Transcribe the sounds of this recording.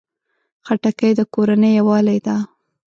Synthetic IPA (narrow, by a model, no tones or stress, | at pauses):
xaʈakəjd̪əkoɾanəjawɑlajd̪a